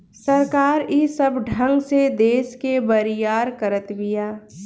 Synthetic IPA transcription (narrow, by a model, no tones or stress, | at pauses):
səɾkaːɾisəbɖʱə̃ŋɡsed̪eːskebəɾɪjaːɾkəɾət̪bɪjaː